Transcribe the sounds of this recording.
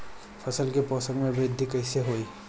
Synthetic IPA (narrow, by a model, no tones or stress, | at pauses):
pʰɐsəlkepɔːsə̃ŋɡmẽbɾɪd̪ʱːikəɪseɦoːiː